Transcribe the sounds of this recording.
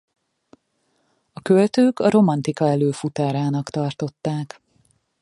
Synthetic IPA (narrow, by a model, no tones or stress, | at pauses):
ɒkølt̪øːkɒɾo̞mɒnt̪ikɒɛløːfut̪aːɾaːnɒkt̪ɒrt̪o̞t̪ːaːk